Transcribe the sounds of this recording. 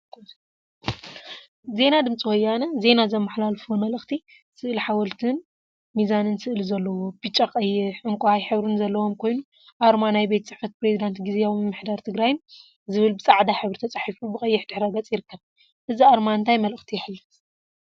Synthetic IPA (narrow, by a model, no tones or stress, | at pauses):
ze̞nad̪ɨmt͡sʼiwɔjːanɐze̞nazɐmːaħlalfwomɐlɨxt̪ʰi | sɨʔliħawɐlt̪ʰɨn | mizanɨnsɨʔlizɐlːɐwo̞bit͡ʃʼːaqʼɐjːɪħʔɨŋkʷʼajħɨβɾunzɐlːɐwo̞mkʰo̞jnu | ʔaɾmanajbe̞t̪t͡sʼɨħfɐt̪̚pɾezid̪ant̪ɡizeawmɨmːɨħd̪aɾt̪ʰɨɡɾajɨn | zɨβɨlbɨt͡sʼaʕd̪aħɨβɾɨt̪ʰɐt͡sʼaħifubɨkʼɐjːɪħd̪ɨħɾaɡɐt͡sʼjɪɾɨkʰːɐβ | ʔɨziaɾmaɨnt̪ʰajmɐlɨxt̪ʰijɪħlːɨt̪